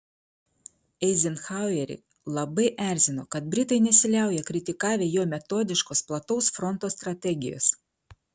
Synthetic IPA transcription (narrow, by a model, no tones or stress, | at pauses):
ɛɪzʲɪnxɑˑʊjɛɾʲɪ̰ | lˠɐbɐɪʔæˑɾʲzʲɪnoːkɐt̪̚bʲɾʲɪt̪ɐɪnʲɛsʲɪlʲæˑʊjɛkɾʲɪt̪ʲɪkɑːʋʲeːjoːmʲɛt̪oːd̪ʲɪʃkoːsplˠɐt̪ɔʊsfɾɔnt̪oːst̪ɾɐt̪ʲɛɡʲɪjo̰ːs